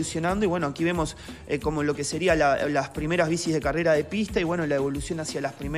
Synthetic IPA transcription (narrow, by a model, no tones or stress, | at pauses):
usjo̞nãnd̪oiβwe̞noakiβ̞e̞mo̞seko̞mo̞lo̞ke̞se̞ɾialalaspɾime̞ɾazβ̞isizð̞e̞kare̞ɾað̞e̞pist̪aiβwenolaeβo̞lusjo̞nasialaspɾime